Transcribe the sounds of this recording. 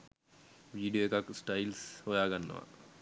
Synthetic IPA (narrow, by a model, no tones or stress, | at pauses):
ʋiːɖijoekaksʈailshojaːɡanːə̰ʋa̰